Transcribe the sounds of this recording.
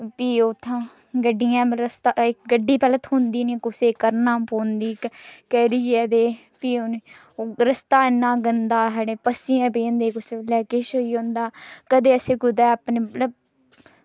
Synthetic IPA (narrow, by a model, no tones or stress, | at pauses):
piːot̪ʰːãː | ɡəɖːijãːɾəst̪aːɪkɡəɖːiːpɛlət̪ɦõnd̪iːnĩkʊseːkəɾnãːpoːnd̪iːkkɛːɾiːɛːd̪eː | piːʊnː | ɾəst̪aːɪnːãːɡənd̪aːɦɛɽeːpəsiːãːpeːnd̪eːkʊseːlɛːkeʃoiːõnd̪aːkəd̪eːəseːɡʊd̪ɛːapneːləb